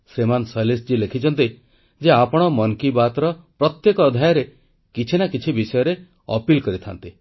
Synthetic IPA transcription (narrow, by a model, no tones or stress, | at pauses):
semansɔjlisd͡ʒilekʰit͡ʃʰɔnt̪i | d͡ʒeapɔɽ̃ɔmɔŋkibat̪ɾɔpɾɔt̪jekɔːd̪ʱajɔɾe | kit͡ʃʰinakit͡ʃʰibisɔjɔɾe | ɔ̰pilkɔɾit̪ʰant̪i